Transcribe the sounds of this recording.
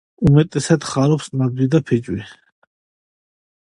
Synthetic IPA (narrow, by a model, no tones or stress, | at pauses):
umɛt̪ʼɛsad̪χaɾɔpsnad̪id̪apʰɛd͡ʒwi